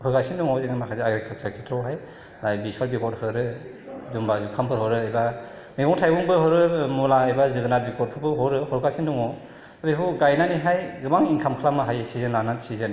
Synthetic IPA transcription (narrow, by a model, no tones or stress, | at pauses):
hɔɾɡasinduŋɔziŋamakʰazeaɡɾekʰaɾsakʰitʰɾɔwɦaj | lajbiswaɾbikɔt̚hɯɾɯ | zumbazukʰampʰɯɾhɔɾɯajba | mibɔŋtʰajbuŋbɯɦɔɾɯmulaajbazɯɡɯnat̚bikɔt̚pʰɯbʰɯɦɔɾɯhɔɾɡasinduŋɔ | abiɦɯɡajnaniɦajɡɯmaŋiŋkʰamkʰlamɯɦajsizenlanatsizen